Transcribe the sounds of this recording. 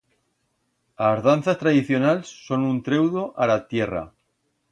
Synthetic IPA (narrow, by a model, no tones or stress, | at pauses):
azðanθast̪ɾaðiθjo̞nalsːo̞nunt̪ɾe̞wðoʔalat̪je̞ra̰